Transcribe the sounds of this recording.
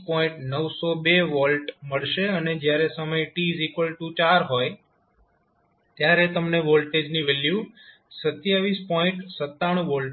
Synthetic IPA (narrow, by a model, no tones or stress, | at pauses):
pɔĩɳʈnəʋsobeʋɔlʈməɭʃeəned͡ʒjaɾesəməjʈizikʋəlʈut͡ʃaɾɦoj | t̪jaɾet̪əmneʋɔlʈed͡ʒniʋelju | sət̪jaʋispɔĩɳʈsət̪ːaɽ̃ũʋɔlʈ